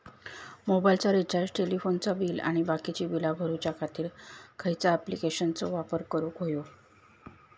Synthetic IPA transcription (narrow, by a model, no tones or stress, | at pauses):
mobajilt͡saɾit͡ɕajsʈelifont͡sabiːla̰ɽ̃ibakit͡ɕiːbilabʱəɾut͡ɕakʰat̪iːɾkʰajt͡saːplikeɕənt͡so̰ʋapəɾkəɾukɦojo